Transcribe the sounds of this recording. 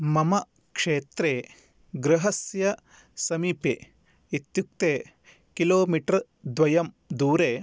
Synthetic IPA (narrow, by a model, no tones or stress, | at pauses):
mɐmɐ | kʂeːt̪ɾeː | ɡɾɐɦɐsjɐ | sɐmiːpeː | it̪juk̚t̪eː | kiloːmiʈɐɾ | d̪ʋɐjɐm | d̪uːɾeː